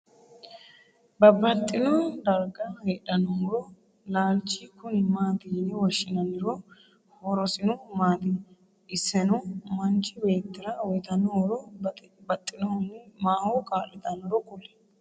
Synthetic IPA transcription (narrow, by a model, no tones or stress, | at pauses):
bɐbɐt̪ʼːɪnɔd̪ɐɾɡɐheːᶑɐnɔmɔɾɔ | laːlt͡ʃːikʊnɪmaːt̪ɪnɪwɔʃːɪnɐnɪɾɔ | wɔɾɔsɪnɔmaːt̪ɪ | ɪsːɛnɔmɐnt͡ʃːɪbe̞ːt̪ːɪɾɐwɔjt̪ɐnɔwɔɾɔbɐt̪ʼːɪnɔnːɛmaːhokʼaːlːɪt̪ɐnɔɾɔkʼʊlɛ̥